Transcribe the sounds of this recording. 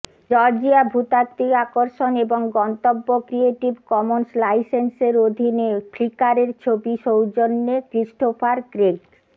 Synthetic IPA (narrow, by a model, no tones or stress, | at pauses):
d͡ʑɔɾd͡ʑiabʱut̪at̪ːiakoɾʃoneboŋɡɔnt̪obːokɾieʈibkɔmonslajsenseɾod̪ʱineflikaɾeɾt͡ɕʰobiʃowd͡ʑonːekɾiʃʈofaɾkɾeɡ